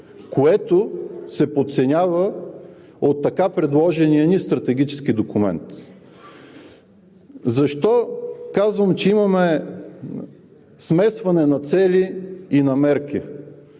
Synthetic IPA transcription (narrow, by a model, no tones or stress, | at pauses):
koɛt̪osɛpot̪t̪sɛnʲavə | ot̪ːɐkapɾɛd̪lˠɔʒɛnijənist̪ɾɐt̪ɛɡʲit͡ʃɛ̥skid̪okumɛ̰nt̪ | zɐʃt̪ɔkazvɐmt͡ʃɛimɐmɛ | smɛsvɐnɛnɐt̪sɛlʲiːnɐmɛɾk̟i